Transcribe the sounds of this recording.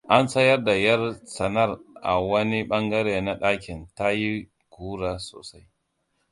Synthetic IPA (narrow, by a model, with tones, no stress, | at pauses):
ʔa˦nsɐ˦jɐ˦rda˨jɐ˦rsɐ˨nɐ˦rʔa̰˨wɐ˦ni˦ɓɐ˦ŋɡɐ˦ɾeː˨na˦ɗaː˦kʲɪ˨nta˦ji˦ | kuː˦ɾaː˨so̰ː˨sa˦j